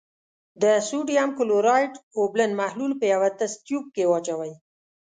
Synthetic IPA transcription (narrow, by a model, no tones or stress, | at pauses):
d̪əsuɖjamkʊloɾɑjʈoblənmahlulpəjawat̪ast̪jup̚kewɑt͡ʃawaj